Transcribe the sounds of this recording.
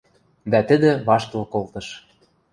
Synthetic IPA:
d̪æt̪ə̆d̪ĕβɑʃt̪ɤ̆lkolt̪ɤ̆ʃ

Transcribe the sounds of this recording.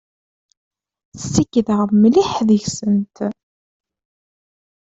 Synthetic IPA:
sːikːðəʁmːliħðəʝsənt̪

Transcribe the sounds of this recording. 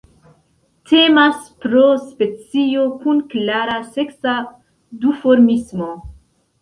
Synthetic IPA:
tʰe̞maspɾospe̞t͡sio̞kunklaɾaseksa | dufoɾmismo

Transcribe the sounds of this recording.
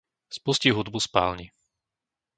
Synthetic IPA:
spusciɦud̪buspa̰ːlɲi

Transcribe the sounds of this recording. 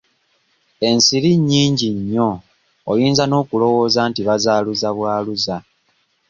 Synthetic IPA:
e̞nsiɾiɲːiːɲɟiɲːo̞ː | jiːnzano̞ːkulo̞wo̞ːzaːntiβazaːluzaβwaːluza

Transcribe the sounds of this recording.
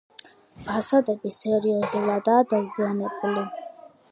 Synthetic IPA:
basad̪ɛbisɛɾiazulad̪aːd̪azianɛbuli

